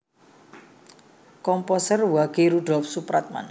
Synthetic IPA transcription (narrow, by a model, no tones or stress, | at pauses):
kɔmpɔsərwaɡ̥eɾuɖɔp̚supɾat̪̚ma̰n